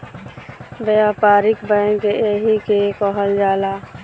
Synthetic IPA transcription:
bejapaːɾɪkbəŋkeeɦikekɔɦəld͡ʒaːla

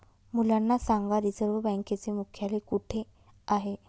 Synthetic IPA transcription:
mulanːasaŋɡaɾid͡zəɾʋəbɛ̃ŋket͡semukʰjalekuʈʰe | aɦe

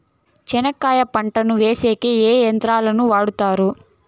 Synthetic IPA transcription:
t͡ʃɛnɐkːaːjɐpɐɳʈɐnuʋe̞ːseːkeeːjɐnt̪ɾaːlɐnuʋaːɽut̪aːɾu

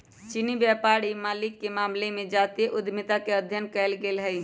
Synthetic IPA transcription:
t͡ʃinibjɛpaːɽimaːlɪkːemaːmlemẽd͡ʒaːt̪ieʔʊd̪ʱmɪt̪akeəd̪ʱjənkɛɪlɡeːlɦɛi

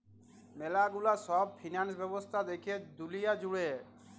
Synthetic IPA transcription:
melaɡulasɔb̚pʰinansbɛbost̪ʰad̪ekʰied̪ulijad͡ʑuɽe

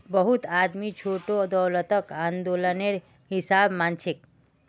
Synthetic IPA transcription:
bəɦut̪ad̪mit͡ʃʰoʈod̪ɔwlət̪əkãːnd̪oləneɾ | ɦisabmant͡ʃik

